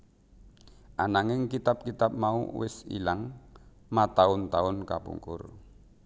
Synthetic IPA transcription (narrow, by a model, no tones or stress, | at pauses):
ʔanaŋɪŋkit̪ap̚kit̪ap̚maṵwɪ̰sḭlaŋ | mat̪aʊnt̪aʊnkapṵŋkʊ̰r